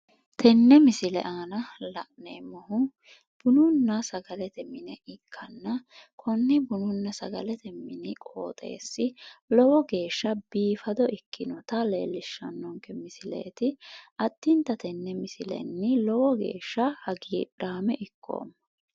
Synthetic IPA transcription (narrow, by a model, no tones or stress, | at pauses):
t̪ʰɛnːɛmɪsɪlɛ̰ʔaːnɐlɐʔneːmɔɦʊ | b̥ʊnʊnːɐsɐɡɐlɛt̪ɛmɪnɛʔɪkʰːɐnːɐkʰɔnːɪbʊnʊnːɐsɐɡɐlɛt̪ɛmːɪnɪkʼo̰ːt̪ʼe̞̰ːsːɪlɔwɔɡe̞ːʃːɐb̥iːfɐd̪ɔʔɪkʰːɪnɔt̪ɐlḛːlːɪʃːɐ̰nːɔŋkɛmɪsɪlḛːt̪ɪʔɐt̪ːɪnt̪ːɐt̪ɛnːɛmɪsɪlɛ̰nːɪlɔwɔɡe̞̰ːʃːɐhɐɡiːᶑaːmɛʔɪkʰːo̰ːmːɐ